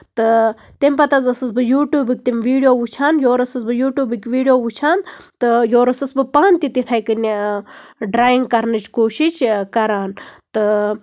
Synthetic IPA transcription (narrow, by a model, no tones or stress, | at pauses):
t̪ɨ | t̪emʲpɐt̪ɐzɐsɨsbɨjuːʈjuːbɨk̚ʲt̪imʲʋiːɖijoːut͡ʃʰaːnjoːɾɐsɨs̬bɨjuːʈjuːbɨkʲʋiːɖijoːut͡ʃʰaːnt̪ɨjoːɾɐsɨsbɨpaːnt̪it̪it̪ʰɐjkɨnʲi | ɖɾaːjiŋɡkɐɾnɨt͡ʃkoːʃit͡ʃkɐɾaːnt̪ɨ